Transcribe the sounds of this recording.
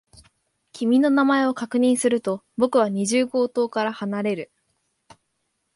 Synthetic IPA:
kʲimʲino̞namae̞o̞kakɯ̟ɲ̟ĩɰ̃sɨɾɯ̟t̪o̞ | bo̞kɯ̟β̞aɲ̟iʑɨːɡo̞ːt̪o̞ːkaɾahanaɾe̞ɾɯ̟

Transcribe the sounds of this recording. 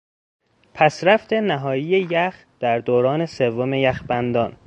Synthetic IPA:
pʰæsɾæft̪ʰenæɦɒːjijejæx | d̪̥æɾd̪oːɾɒːne̞se̞vːome̞jæxbænd̪ɒːn

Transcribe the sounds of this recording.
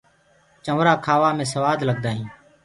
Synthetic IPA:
t͡ʃəʋɾaːkʰaːʋaːmẽːs̬əʋaːd̪ləɡ̚d̪aːɦĩː

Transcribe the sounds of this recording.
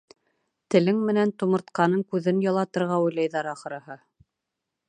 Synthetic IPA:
t̪ɘ̆lɘŋmɘ̆nænt̪umɤ̆ɾt̪qɑnɤŋkʉðɘnjɑlˠɑt̪ɤ̆ɾʁɑujlˠɑjðɑɾɑχɤ̆ɾɤ̆ɦɤ

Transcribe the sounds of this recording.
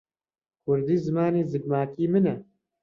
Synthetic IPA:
kʰʊɾd̪iːzɨmaːneːzɨɡ̚maːkiːmɨnɛ

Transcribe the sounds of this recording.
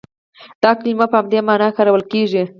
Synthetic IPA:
d̪̥ɑklimapəhamd̪emɑnɑxaɾawəlkeʐi

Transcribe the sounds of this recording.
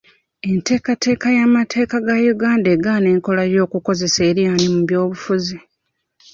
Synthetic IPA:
e̞nte̞ːkate̞ːkajamatʰe̞ːkaɡajuɡaːndaeːɡaːneːŋko̞lajo̞ːkuko̞ze̞se̞ːɾijaːnimuβjo̞ːβufuzi

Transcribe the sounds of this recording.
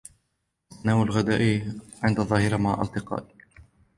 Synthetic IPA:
naːwalɣad̪aːʔʕɪnd̪ɑðˤɑːhɪɾamaʕʔɑlt̪ɪqɑ̰ːʔ

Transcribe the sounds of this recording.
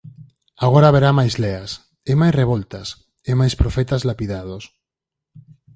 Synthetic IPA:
aɣ̞oɾaβ̞eɾamajzleas | emajsreβolt̪as | emajspɾofet̪azlapiðað̞os

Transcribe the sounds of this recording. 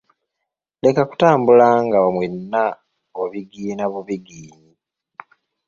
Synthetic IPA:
le̞kaku̥taːmbulaŋɡaβamwenːa | oβiɡiːnaβuβiɡiːni

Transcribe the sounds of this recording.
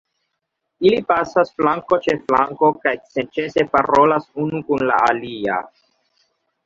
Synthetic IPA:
ilipasasflaŋko̞t͡ʃe̞flaŋko̞kajsent͡ʃe̞se̞paɾo̞lasunukunla̰alia̰

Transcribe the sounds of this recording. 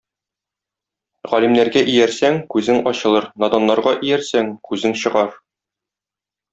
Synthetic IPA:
ʁɒlʲimnæɾɡæʔijæɾsæŋkʉzɘŋɒɕɤ̆lˠɤɾnɒd̪ɑnːɑɾʁɑʔijæɾsæŋkʉzɘŋɕɤ̆ʁɑɾ

